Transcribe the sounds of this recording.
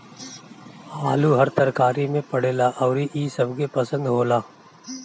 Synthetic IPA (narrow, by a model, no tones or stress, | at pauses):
aːluɦɐɾt̪ɐɾkaːɾimẽpɐɽeːlaʔɔːɾiʔiːsɐbɡepɐsə̃nd̪ɦoːlaː